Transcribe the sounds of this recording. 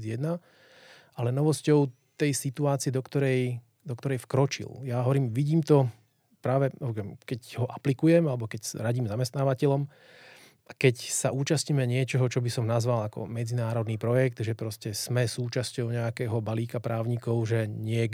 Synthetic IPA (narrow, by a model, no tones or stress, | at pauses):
jɛd̪na | ʔalɛnɔʋɔscɔʊ | t̪ɛjsit̪uaːt͡siɛd̪ɔkt̪ɔɾɛj | d̪ɔkt̪ɔɾɛjfkɾɔt͡ʃḭljaːɦɔʋɔɾiːmʋiɟiːmt̪ɔ | pɾaːʋɛɔɛmkɛcɦɔʔaplikujɛmalɛbɔkɛcsɾaɟiːmzamɛst̪naːʋacɛʎɔm | ʔakɛcsaʔuːt͡ʃast̪ɲiːmɛɲɪɛt͡ʃɔɦɔt͡ʃɔbisɔmnazʋalakɔ̰mɛd͡zinaːɾɔd̪niːpɾɔjɛkt̪ʒɛpɾɔscɛz̥mɛsuːt͡ʃascɔʊɲɛakɛːɦɔbaliːkapɾaːʊɲikɔʊʒɛɲɪɛ